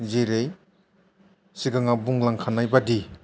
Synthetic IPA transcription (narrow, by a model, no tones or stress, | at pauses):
ziɾej | siɡaŋabuŋlaŋkʰanajbadi